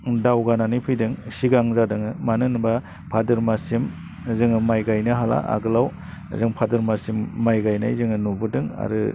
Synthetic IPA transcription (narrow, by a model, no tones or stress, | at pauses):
dawɡananipʰɯjdɯŋsiɡaŋzadɯŋɯmanɯnba | pʰadɯɾmasim | zɯŋɯmajɡajnɯɦala̰ʔa̰ɡɯlaw | zɯŋpʰadɯɾmasimːajɡajna̰jzɯŋɯnubɯdɯŋa̰ɾɯ̰